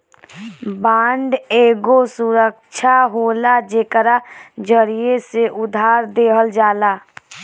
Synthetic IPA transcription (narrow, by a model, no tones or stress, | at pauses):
bãːɳɖeːɡosʊɾəkt͡ʃʰaɦoːlad͡ʒeːkəɾad͡ʒəɾieseʔʊd̪ʱaːɾd̪eːɦəld͡ʒaːlaː